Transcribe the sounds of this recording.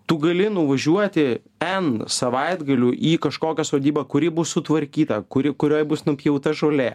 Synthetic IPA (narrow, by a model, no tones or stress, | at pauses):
t̪ʊɡɐlʲɪnʊʋɐʒʲuɔt̪ʲɪ | ɛnsɐʋɐɪd̪ɡɐlʲuːʔiːkɐʃkoːkʲɛsoːd̪ʲiːbɐkʊɾʲɪbʊssʊt̪ʋɐɾʲkʲiːt̪ɐkʊɾʲɪkʊɾʲoːjbʊsnʊpʲjɛʊt̪ɐʒoːlʲeː